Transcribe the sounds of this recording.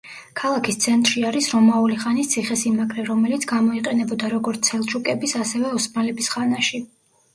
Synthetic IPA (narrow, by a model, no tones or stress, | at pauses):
kʰalˠakʰist̪sʰɛnt̪ʼɾʃiaɾisɾɔmauliχanist̪sʰiχɛsimakʰʼɾɛɾɔmɛlit̪sʰɡamɔiqʼɛnɛbɔd̪aɾɔɡɔɾt̪sʰɛlˠt͡ʃʰukʼɛbisasɛvɛɔsmalɛbisχanaʃi